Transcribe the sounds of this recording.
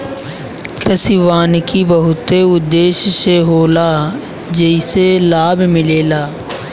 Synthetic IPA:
kəsɪʋaːnkibəɦʊt̪eʊd̪ːeːʃseɦoːlaː | d͡ʒeɪselaːbmɪleːlaː

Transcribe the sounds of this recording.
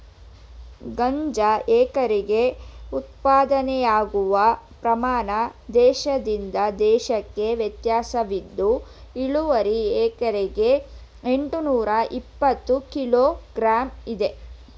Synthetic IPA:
ɡɐɲd͡ʒɐɛːkɐɾeɡe̞ut̪paːd̪ɐnɛjaːɡuʋɐpɾɐmaːɳɐd̪ɛːʃɐd̪ind̪ɐd̪ɛːʃɐkːe̞ʋjɐt̪jaːsɐʋid̪ːuiɭuʋɐɾiɛːkɐɾeɡe̞ | eɳʈunuːɾɐʔipːɐt̪ːukiloːɡɾaːmid̪e̞

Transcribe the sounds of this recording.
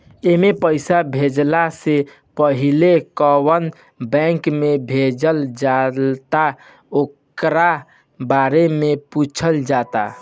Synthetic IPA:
emepəɪsabʱed͡ʒlase | pəɦilekəwən | bɛ̃ŋkmebʱed͡ʒəld͡ʒalt̪a | okɾa | baɾemeput͡ʃʰəld͡ʒat̪a̰

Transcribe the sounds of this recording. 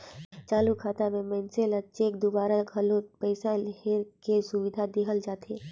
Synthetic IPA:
t͡ʃaːlukʰaːt̪amẽmɛːnselɐt͡ʃeːkd̪obaːɾaɡʱɐlõpɛɪsalɦeɾkesʊʋɪd̪ʱad̪ɪɦəld͡ʒaːt̪eː

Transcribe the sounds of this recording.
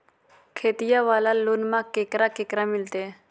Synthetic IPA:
kʰeːt̪ijãʋaːlaloːnmãkeːkɾakeːkɾamɪlt̪e

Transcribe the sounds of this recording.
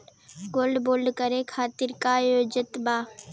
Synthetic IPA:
ɡoːlɖboːlɖkəɾekʰaːt̪ɪɾkajoːd͡ʒɪt̪baː

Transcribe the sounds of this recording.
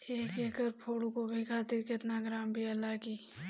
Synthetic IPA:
eːkekəɾpʰoːɽukobʱikʰaːt̪ɪɾkɪt̪naɡɾaːmbʱiɐlːakiː

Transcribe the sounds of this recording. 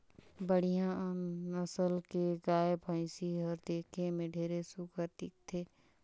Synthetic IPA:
bəɽ̤ijãəsəlkeɡaːebʰʱə̃ɪ̃siɦəɾd̪eːkʰemẽɖʱeːɾesukəɾt̪ɪk̚t̪ʰeː

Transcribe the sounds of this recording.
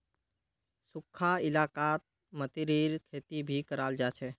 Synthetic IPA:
sʊkʰːaɪlaːkaːt̪̚ | mət̪iɾiːɾkʰeːt̪ibʱikəɾaːld͡ʒat͡ʃʰɛ

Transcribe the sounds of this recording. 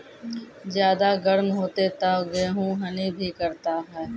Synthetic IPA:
zjaːd̪aɡɐɽmɦoːt̪et̪aɡeːɦũɦɐnibʱikɐɾt̪aɦɛː

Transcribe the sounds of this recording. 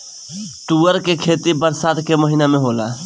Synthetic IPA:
ʈ̪uəɾkekʰet̪ibəɾsaːt̪keməɦinamẽɦola

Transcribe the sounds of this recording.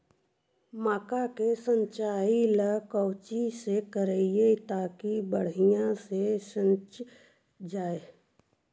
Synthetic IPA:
maːkakesə̃ɲt͡ʃaːiləkəːt͡ʃisekəɾəjet̪aːkibəɽ̤ijãseʃə̃nt͡ʃ | d͡ʒaːeː

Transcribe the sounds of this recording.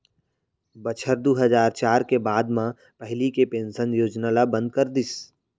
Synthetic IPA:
bət͡ʃʰəɾd̪uːɦəzaːɾt͡ʃaːɾkebaːd̪mã | pəɦɪlikepẽːnsənjoːd͡ʒnalabə̃nd̪̚kəɾd̪ɪs

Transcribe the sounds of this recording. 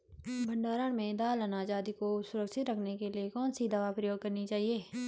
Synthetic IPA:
bʱə̃ɳɖaːɾəɽ̃mẽd̪aːlɐnaːd͡ʒaːd̪ikosʊɾəkʃɪt̪ɾɐkʰnekeliekɔːnsid̪ɐʋapɾɐjoːɡ̚kɐɾnit͡ʃaːɦieː

